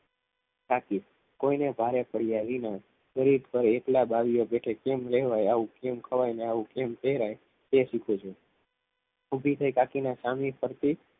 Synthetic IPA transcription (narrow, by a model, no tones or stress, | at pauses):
kaki | koinebʱaɾepəɽjaʋina | kəɾid̪pəɾeklabaʋijobeʈʰekemɾɛɦʋajaʋũkemkʰəʋajneaʋũkempeɦɾaj | t̪eʃikʰot͡ʃʰe | ubʱit̪ʰəjkakinasamipʰəɾt̪i